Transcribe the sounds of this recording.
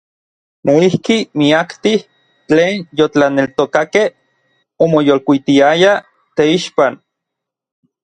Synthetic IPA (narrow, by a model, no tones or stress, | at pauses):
noihkimiakt̪ih | t͡ɬeːnjot͡ɬanelt̪okakeh | omojolkʷit̪iaja | t̪eiʃpan